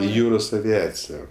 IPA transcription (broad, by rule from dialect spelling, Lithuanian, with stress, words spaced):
ɪ ˈjuːroːs ɐʋʲɪˈɑːt͡sʲɪjɛ